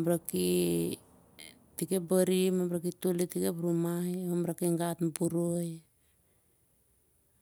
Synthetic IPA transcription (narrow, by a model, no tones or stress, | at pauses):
mɾaki | tikebaɾimambɾak̬ituletikebɾumajamɾakiŋɡatmbuɾoj